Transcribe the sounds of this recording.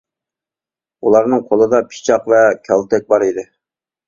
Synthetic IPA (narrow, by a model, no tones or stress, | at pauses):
ulˠɑɾnɨŋqʰolˠɨd̪ɑpʰi̥t͡ʃʰɑqvɛkʲʰɑlˠt̪ʰɛk̚ʲbɑɾid̪ɪ